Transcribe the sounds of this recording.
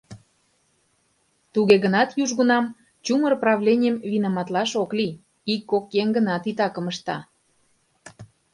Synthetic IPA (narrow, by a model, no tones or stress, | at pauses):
t̪uɣeɣənɑt̪juʒɣunɑm | t͡ɕumərprɑβlʲenʲəmvinɑmɑt̪lɑʃokli | ikːokjeŋɡənɑt̪it̪ɑkə̆məʃt̪ɑ̰